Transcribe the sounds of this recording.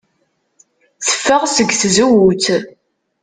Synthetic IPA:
θə̥fːəʁsəɡθzuwut͡s

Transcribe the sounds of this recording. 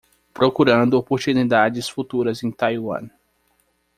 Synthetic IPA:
pɾokuɾɐ̃nd̪ʊopoɾt̪unid̪ad͡ʒɪsfut̪uɾɐzẽj̃t̪ajwɐ̰̃n

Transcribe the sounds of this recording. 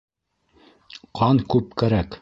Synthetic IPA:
qʰɑnkʉp̚kæɾæk

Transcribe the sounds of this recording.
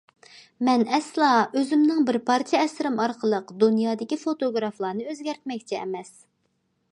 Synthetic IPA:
mɛnɛslˠɑøzɪmnɨŋbɪɾpʰɑɾt̪ʰijɑɛsɪɾɪmɑɾqʰəlˠəqd̪unjɑːd̪ɪkʲifot̪oɡɾɑflˠɑːnɨøzɡʲɛɾt̪̚mɛk̚ʲt͡ʃʰɛɛ̰mɛs

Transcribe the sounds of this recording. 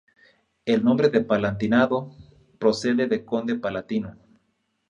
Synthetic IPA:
elnõ̞mbɾeðepalant̪inaðo | pɾose̞ðeðeko̞nd̪epalat̪ino

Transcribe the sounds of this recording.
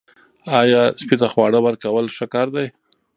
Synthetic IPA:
ɑjɑspit̪axwɑɽəwaɾkawəlʂəkɑɾd̪aj

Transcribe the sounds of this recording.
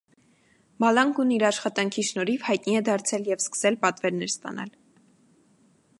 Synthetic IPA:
bɑlɑŋkuniɾɑʃχɑt̪ɑŋkʰiʃnɔɾivhɑjt̪niɛd̪ɑɾt͡sʰɛljɛvskə̥sɛlpɑt̪vɛɾnɛɾst̪ɑ̰nɑ̰l

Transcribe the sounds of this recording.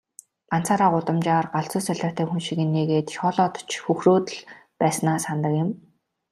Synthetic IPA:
ɢan̥t͡saːɾaːɢʊt̪ə̆mt͡ɕaːrɢaɮt͡sʊːsœɮʲɔ̆ːrt̪ʰeːxunʃiɣɘ̆nːeːɣeːt̪ʃɔːɮɔːt̪ɞ̥t͡ɕxuxroːt̪ə̆ɮpæːsnaːsant̪ə̆kjɪ̆m

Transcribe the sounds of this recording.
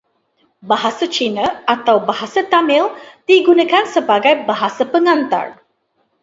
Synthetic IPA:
baɦasat͡ʃinaat̪awbaɦasat̪amɪld̥iɡunakansəbaɡajbaɦasapəŋãnt̪a̰r

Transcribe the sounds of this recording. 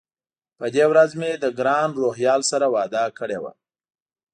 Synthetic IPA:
pəd̪ewɾazmed̪əɡɾɑnɾoɦjɑlsaɾawɑd̪ɑkəɽewa̰

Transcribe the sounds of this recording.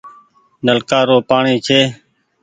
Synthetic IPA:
nəlkaːɾoːpaːɳiːt͡ʃʰeː

